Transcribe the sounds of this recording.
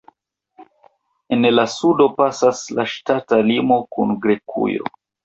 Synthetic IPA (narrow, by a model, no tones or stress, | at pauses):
e̞nlasudo̞pasaslaʃtatalimo̞kunɡɾe̞kʰṵjo̰